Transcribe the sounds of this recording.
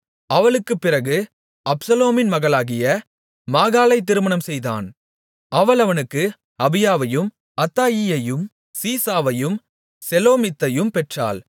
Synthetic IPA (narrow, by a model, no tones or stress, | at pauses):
ʔɐʋɐɭɯkːɯpːɪrɐɣɯ | ʔɐpsɐloːmɪnmɐɣɐɭaːɣɪjɐ | maːɣaːlɐɪt̪̬ːɪɾɯmɐnɐmsɛjða̰ːn | ɐʋɐɭɐʋɐnɯkːɯ | ɐbɪjaːʋɐjɯm | ɐt̪ːaːjɪjɐjɯm | siːsaːʋɐjɯm | sɛloːmɪt̪ːɐjɯmpɛʈra̰ːl